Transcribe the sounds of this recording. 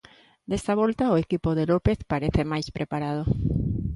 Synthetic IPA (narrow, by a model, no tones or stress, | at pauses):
d̪est̪aβɔlt̪aoekipoðelopeθpaɾeθemajspɾepaɾað̞o